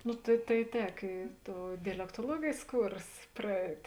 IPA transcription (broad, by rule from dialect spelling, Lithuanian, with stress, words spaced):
ˈnʊ tɐɪ tɐɪ ˈtʲɛk iː ˈtoːʊ dʲɛlʲɛktoːˈlˠuɔɡʲeːjs ˈkuːrs prɐˈɛɪtʲ